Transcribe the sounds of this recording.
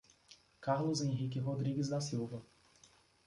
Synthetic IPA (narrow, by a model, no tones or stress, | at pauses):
kaɾlʊzẽɦik̬ɪɦod̪ɾiɡɪzd̪ɐsiwvɐ